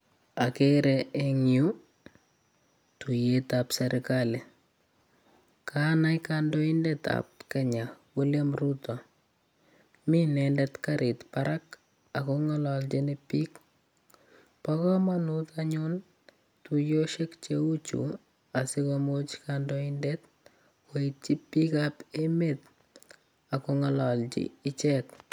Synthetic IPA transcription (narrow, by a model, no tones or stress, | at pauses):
akeɾɛeŋju | tujetapsɛɾʔɪkale | kʰanajkandoindɛta̰p̚kɛɲawuljamrutɔ | minɛndɛtkaɾɪtpaɾak | akɔŋɔlɔlt͡ʃinɪpik | pɔkɔmanut̪aɲʊn | tujoʃekt͡ʃeut͡ʃṵ | asɪkɔmot͡ʃkandoindet | weit͡ʃipikapemet̪̚ | akoŋɔlɔlt͡ʃḭɪt͡ʃɛk